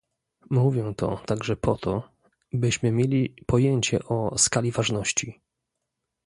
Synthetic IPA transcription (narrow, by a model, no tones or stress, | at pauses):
muvʲjɛ̃t̪ɔ̰t̪aɡʐɛpʰɔt̪ʰɔ | bɘɕmɘmʲjelʲipɔjeɲt͡ɕɛ̰ʔɔskalʲivaʐnɔɕt͡ɕi